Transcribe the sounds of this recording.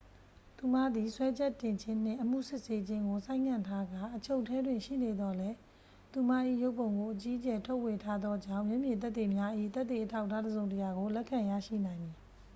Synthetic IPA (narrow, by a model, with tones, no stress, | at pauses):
t̪u˨m̥a˦˨d̪ði˨swɛ˦d͡ʑɛ˦tːɪ̃˨ɲd͡ʑʰɪ̃˦n̥ɪ̰̃˦˨ʔəm̥ṵ˦˨sɪ˦ʔse˦d͡ʑɪ̃˦ŋɡo˨sã˦ɪ̃ŋkʰã˦˨ntʰa˦ɡa˦˨ʔət͡ɕʰo˦ʊtʰːɛ˦dwɪ̃˨ʃḭ˦˨ne˨d̪ɔ˨lɛ˦ | t̪u˨ma˦ʔḭ˦˨jo˦ʊʔpõ˨ʊ̃ŋɡo˨ʔət͡ɕi˦ət͡ɕɛ˨tʰo˦ʊʔwe˨tʰa˦d̪ðɔ˦d͡ʑã̰˦˨ʊ̃mjɛ˦ʔmjɪ̃˨t̪̬ɛ˦t̪ːe˨mja˦ʔḭ˦˨t̪ɛ˦ʔt̪ːe˨ʔətʰa˦ʊʔtʰːa˦dəzõ˨ʊ̃tə˨ja˨ɡo˨lɛ˦ʔkʰːã˨ja̰˦˨ʃḭ˦˨nã˨ɪ̃nd̪i˨